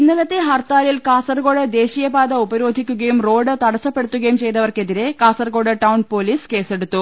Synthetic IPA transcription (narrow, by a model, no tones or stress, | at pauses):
inːilɐt̪ːeɦɐrt̪aːlilkaːsɐrɡo̞ːɽɨd̪e̞ːɕijɐbaːd̪ɐubɐɾo̞ːd̪ʱikʲːuɣɐjumro̞ːɖɨt̪ɐɽɐsːɐpːe̞ɽut̪ːuɣɐjumt͡ɕe̞jt̪ːɐʋɐrke̞ðiɾe̞kaːsɐrɡo̞ːɽɨʈɐwnpo̞ːliːske̞ːse̞ɽut̪ːu